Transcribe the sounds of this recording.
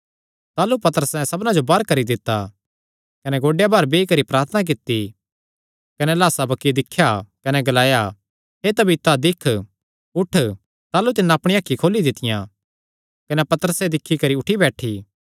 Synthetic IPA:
t̪aːlupɐt̪əɾəsɛ̃sɐbnãd͡ʒobɐɾkɐɾid̪ɪt̪ːa | kɐnɛɡoːɖejabɐɾbeːikɐɾipɾaːɾt̪ʰənak̬ɪt̪ːi | kɐnɛlaːsabɐkːid̪ɪkʰːjakɐnɛɡɐlaːja | ɦet̪ɐbʱit̪ad̪ɪkʰ | ʊʈʰ | t̪aːlut̪̬ɪnːaːpɽ̃iaːkʰːikʰoːlid̪ɪt̪ːɪjã̰ | kɐnɛpɐt̪əɾəsed̪ɪkʰːikɐɾiʊʈʰibɛːʈʰiː

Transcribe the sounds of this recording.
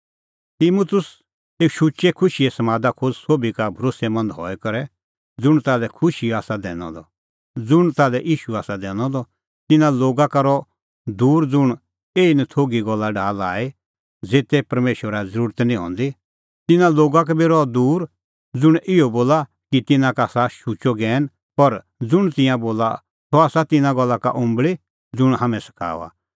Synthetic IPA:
t̪iːmʊt̪ʊs | eːkʃut͡ʃɛkʰʊʃiɛsɐmaːd̪akʰʊd͡zsoːbikabʱɐɾoːsɛmɐ̃nd̪ɦɔ̰ɛkɐɾɛ | d͡zʊɽ̃t̪aːlɛkʰʊʃiaːsad̪ɛ̰̃ːñɔ̰̃d̪ɔ̰ | d͡zʊɽ̃t̪aːlɛʔiːʃuaːsad̪ɛːɽ̃ɔ̃d̪ɔ | t̪ɪnãloːɡakaɾɔ | d̪uːɾd͡zʊɽ̃ | eːinɛt̪ʰoːɡiɡɔlːaɖaːla̰ːe | d͡zeːt̪ɛpɐɾmeːʃəɾad͡zɐɾuːɾət̪nĩɦɔ̰̃ːnd̪i | t̪ɪnãloːɡak̬abiɾɔd̪uːɾ | d͡zʊɽ̃ɪɔboːla | kit̪ɪnãkaːsaʃut͡ʃɔɡɛːn | pɐɾ | d͡zʊɽ̃t̪ɪ̃jãboːla̰ | t̪ɔaːsat̪ɪnãɡɔlːaka̰ʔʊ̃mbɭi | d͡zʊɽ̃hamɛ̃sɐ̥kʰa̰ːa̰

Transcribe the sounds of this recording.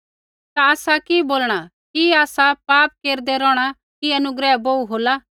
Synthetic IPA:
t̪aaːsakiboːlɽ̃a | kiaːsapaːp̚keːɾd̪ɛɾɔːɽ̃a | kiɐnʊɡɾɛːboːuɦoːla

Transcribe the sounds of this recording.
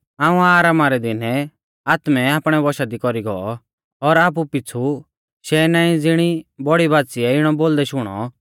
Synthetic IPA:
aːũaːɾaːmaɾɛd̪ɪnɛ | aːt̪mɛaːpɽ̃ɛbɔʃad̪ikɔɾiɡɔɔ | ɔɾaːp̬upɪt͡sʰu | ʃɛnaːĩd͡zɪɽ̃ibɔɽibaːt̪siɛɪɽ̃ɔboːld̪ɛʃʊɽ̃ɔ̰

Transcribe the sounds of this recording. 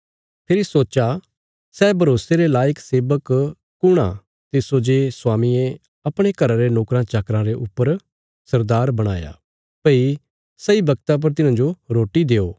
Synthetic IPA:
pʰɪɾisoːt͡ʃa | sɛbʱɐɾoːseɾelaːjəkseːbəkː | ʊɽ̃a̰ | t̪ɪsod͡ʒesʊwaːmie | ɐpɽ̃ekɐɾaɾenoːkɾãt͡ʃakɾãɾeʔʊpːəɾ | sɐɾd̪aːɾbɐɽ̃a̰ːja̰ | pɐi | sɐibɐɡt̪ap̬ɐɾt̪̬ɪnãːd͡ʒoɾoːʈid̪eːoː

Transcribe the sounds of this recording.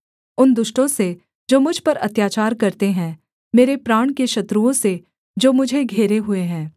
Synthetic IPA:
ʊnd̪ʊʃʈõse | d͡ʒoːmʊd͡ʒʱpɐɾɐt̪jaːt͡ʃaːɾkɐɾt̪eɦɛ̃ː | meːɾepɾaːɽ̃keʃɐt̪ɾuõse | d͡ʒoːmʊd͡ʒʱeɡʱeːɾeɦʊeɦɛ̃ː

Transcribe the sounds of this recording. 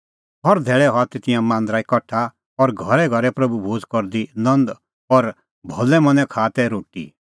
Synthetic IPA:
ɦɔɾd̪ʱɛːɭɛɦɔt̪et̪ɪjãmãːnd̪ɾaːikɐʈʰːa | ɔɾɡʱɔɾɛɡʱɔɾɛpɾɐbubʱoːd͡zkɔɾd̪inɐ̃nd̪ | ɔɾ | bʱɔlɛmɐ̃nɛ̃kʰaːt̪ɛɾoːʈḭ

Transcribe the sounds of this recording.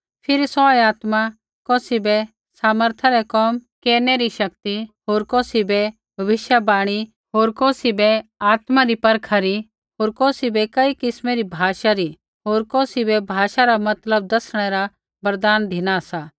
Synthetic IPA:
pʰɪɾisɔjaːt̪ma | kɔːsibɛ | saːməɾt̪ʰaɾɛkɔːmkeːɾnɛɾiʃɐk̚t̪iɦoːɾkoːsibɛ | bʱɐʋɪʃjabaːɽ̃i | ɦoːɾkoːsibɛaːt̪maɾipɐɾkʰaɾi | ɦoːɾkɔːsibɛkɐikɪsmɛɾibʱaːʃaɾi | ɦoːɾkɔːsibɛbʱaːʃaɾamɐt̪ləb̚d̪ɐsɽ̃ɛɾa | bɐɾd̪aːnd̪ʱɪñasa

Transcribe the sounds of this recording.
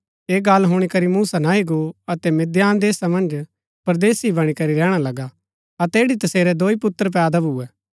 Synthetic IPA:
eːɡalɦʊːɽ̃ikɐɾimuːsanaiɡoɐt̪ɛmɪd̪jaːnd̪eːsamɐ̃nd͡ʒ | pɐɾd̪eːsibɐɽ̃ikɐɾiɾɛːɽ̃alɐɡa | ɐt̪ɛeːɽit̪ɐseːɾɛd̪oːipʊt̪ːəɾp̬ɛːd̪abʱuɛː

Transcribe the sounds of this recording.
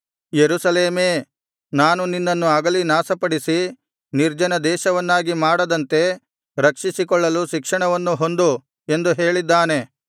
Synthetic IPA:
jeɾusɐleːmeː | naːnuninːɐnːuɐɡɐlinaːsɐpɐɽisi | niɾd͡ʒɐnɐd̪ɛːʃɐʋɐnːaːɡimaːɽɐd̪ɐnt̪e̞ | ɾɐkʂisikɔɭːɐluʃikʂɐɳɐʋɐnːuɦo̞nd̪u | e̞nd̪uɦe̞ːɭid̪ːaːne̞

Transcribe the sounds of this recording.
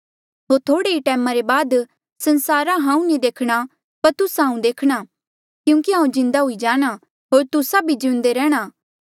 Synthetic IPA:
ɦoːɾt̪ʰoːɽeiʈɛːmãɾebaːd̪ | sɐ̃nsaːɾãɦãːũnid̪eːkʰɽ̃a | pɐɾt̪ʊsɦãːũd̪eːkʰɽ̃a | kjũːkiɦãːũd͡ʒɪ̃nd̪aɦʊid͡ʒaːɽ̃a | ɦoːɾt̪ʊsabʱid͡ʒɪʊ̃nd̪eɾɛːɽ̃aː

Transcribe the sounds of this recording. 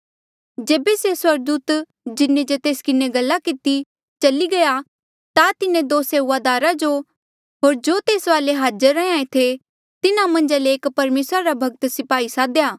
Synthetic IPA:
d͡ʒeːbeseswɐɾɡ̚d̪uːt̪ | d͡ʒɪnːẽd͡ʒot̪eːskɪneɡɐlːakɪt̪i | t͡ʃɐliɡɐja | t̪at̪ɪnẽd̪oːseːʊʋaːd̪aːɾad͡ʒo | ɦoːɾd͡ʒoːt̪eːsʋaːleɦaːd͡ʒəɾːɛ̃ãːẽt̪ʰe | t̪ɪnamɐ̃nd͡ʒaleːkpɐɾmeːsɾaɾabʱɐɡ̚t̪sɪpaːisaːd̪jaː

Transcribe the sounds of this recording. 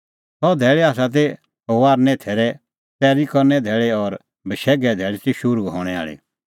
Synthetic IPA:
sɔd̪ʱɛːɭɛaːs̬at̪̬e | ɔʋaːɾnɛ̃t̪ʰeːɾɛ | t̪ɛːɾikɔɾnɛd̪ʱɛːɭeɔɾ | bʱəʃɛːɡɛd̪ʱɛːɭetiʃʊɾuɦɔːɽ̃ɛa̰ːɭḭ

